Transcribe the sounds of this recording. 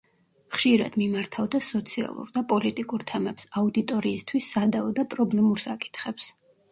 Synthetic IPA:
χʃiɾa̰d̪̥mimaɾt̪ʰavd̪asɔt̪sʰia̰lˠṵɾd̪apʼɔlit̪ʼikʼuɾt̪ʰɛmɛpsaud̪it̪ʼɔɾiːst̪ʰwisːad̪aɔd̪apʼɾɔblɛmuɾsakʼi̥t̪ʰχɛps

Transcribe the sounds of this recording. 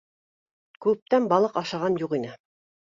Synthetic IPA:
kʉp̚t̪ænbɑlˠɤqɑʃɑʁɑnjuqinɘ

